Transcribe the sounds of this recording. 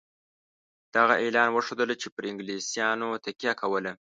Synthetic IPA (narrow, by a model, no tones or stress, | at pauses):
d̪̥aɣaʔelɑnwəʂod̪əlt͡ʃepəɾɪŋɡlesjɑnot̪akjɑkʰawəla